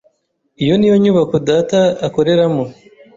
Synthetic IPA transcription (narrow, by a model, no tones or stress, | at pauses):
ijo̞nijo̞ɲuβakudaːtaːko̞ɾe̞ɾamo